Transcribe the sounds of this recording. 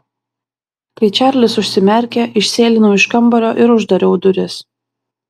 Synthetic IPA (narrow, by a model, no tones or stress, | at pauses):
kɐɪt͡ʃʲæˑɾʲlʲɪsʊʃʲsʲɪmʲɛɾʲkʲeʔɪʃʲsʲeːlʲɪnoɪʃkɐmbɐlʲoːʔɪɾʊʒd̪ɐɾʲoʊd̪ʊɾʲɪs